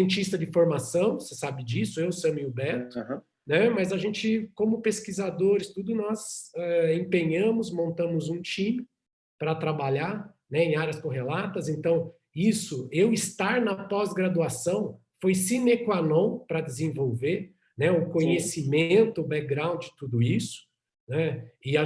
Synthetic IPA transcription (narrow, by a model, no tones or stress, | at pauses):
siẽnt͡ʃist̪ɐd͡ʒɪfoɾmasɐ̃w̃sesabɪd͡ʒisʊewsɐ̃mĩubɛɾt̪ʊ | nɛmɐzɐʒẽt͡ʃɪkõmʊpeskizad̪oɾɪst̪ud̪ʊnɔzɛẽpẽɲɐ̃mʊzmõnt̪ɐ̃mʊzũt͡ʃĩmɪ | pɾɐt̪ɾabaʎaɾ | nɛẽj̃aɾjɐskõɦelat̪ɐzẽnt̪ɐ̃w̃ | isʊewɪst̪aɾnɐpɔzɡɾad̪uasɐ̃w̃ | fojsinekwanõw̃pɾɐd͡ʒɪzẽvowveɾ | nɛʊkõɲesimẽnt̪ʊːbɛk̚ɡɾãw̃d͡ʒɪd͡ʒɪt̪ud̪ʊisʊ̥ | nɛɪa